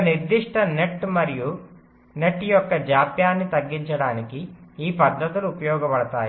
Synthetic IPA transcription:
ɐniɾd̪iʂʈɐneʈːmɐɾiju | neʈːijɔkːɐd͡ʒaːpjaːnːit̪ɐɡːiɲt͡ʃɐɽaːnikiiːpɐd̪ʱːɐt̪uluupɐjɔːɡɐpɐɽɐt̪aːji

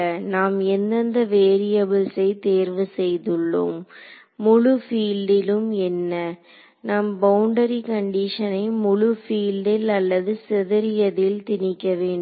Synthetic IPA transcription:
ɐnaːmɛnːɐnd̪ɐʋeːɾɪjɐbɪlsɐɪt̪eːɾʋɯsɛjðɯɭːɯ̰mː | ʊɻʊfiːlɖɪlɯmɛnːɐ | nɐmbɐʊɳɖɐɾikɐɳɖiʂɐnɐɪmʊɻʊfiːlɖɪlɐlːɐðɯsɛðɐɾɪjɐðɪlt̪ɪnɪkːɐʋeːɳɖ

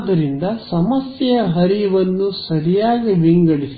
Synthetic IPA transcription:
d̪ɐɾind̪ɐsɐmɐsjɐɐɦɐɾiʋɐnːusɐɾijaːɡiʋiŋɡɐɽisi

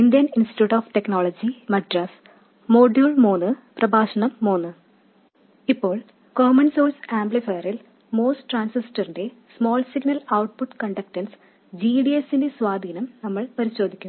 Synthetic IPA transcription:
ind̪jɐninsti̥ʈjuːʈːoːfʈe̞knoːɭod͡ʑimɐɖrɐs | moːɖjuːɭmoːnɨprɐbʱaːɕɐɳɐmːoːnːɨ | ipːo̞ːɭ | koːmɐnsoːlsaːmblifɐːɐril | moːsʈraːnsisʈɐrinde̞smo̞ːlsiɡnɐlɐwʈ̚puʈkɐɳɖɐk̚ʈɐns | d͡ʑiːɖiesinde̞sʋaːd̪ʱiːnɐmnɐmːɐɭpɐɾiɕo̞ːd̪ʱikʲːum

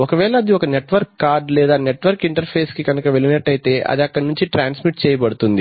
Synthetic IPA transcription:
ɔkɐʋɛːɭɐːd̪iɔkɐneʈʋɐɾkːaːɾɖlɛːd̪aːneʈʋɐɾkiɳʈɐɾpʰeːskikɐnɐkɐʋeɭinɐʈːɐjt̪e̞ːʔɐ̰d̪iɐkːɐɽɐnuɲt͡ʃiʈɾaːnsmiʈ̚t͡ʃɛːjɐpɐɽut̪und̪i

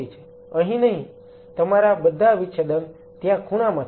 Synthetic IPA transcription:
it͡ʃʰe̥ | ə̃ɦĩnəɦĩ | t̪əmaɾabəd̪ʱːaʋiʃʰəd̪ən | t̪jãkʰuɽ̃amã

